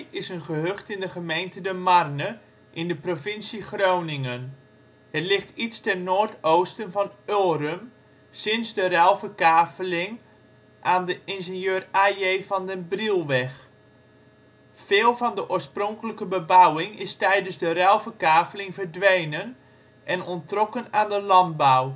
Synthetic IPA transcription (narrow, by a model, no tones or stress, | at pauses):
ɪsənχəɦøχtɪndəχəmejntədəmarnə | ʔɪndəprovɪnsiχrownɪŋən | hətlɪχtitstɛnnoːɹtowstənvɑnøːrəm | sɪnzdərɛlˠfəkaːfəlɪŋ | ʔaːndəʔɪnzɪnjøːrajejvɑndənbrilˠʋɛx | fɪːlˠvɑndəʔoːsprɔŋkələkəbəbawɪŋɪstɛjdənzdərɛlˠvəkaːfəlɪŋvərdʋejnən | ʔɛnɔntrɔkənaːndəlɑnt̚baw